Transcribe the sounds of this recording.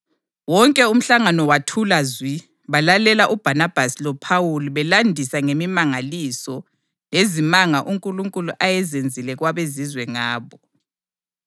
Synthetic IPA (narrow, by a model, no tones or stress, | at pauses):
wɔŋkʼɛum̩ɬaŋanɔwatʰulazwi | βalalɛlaʔub̥ʱanab̥ʱasilɔpʰawuluβɛlandʱisaŋemimaŋalisɔ | lezimaŋaʔuŋkʼuluŋkʼuluʔajɛzend͡zʱilɛɣwaβezizwɛŋaːβɔ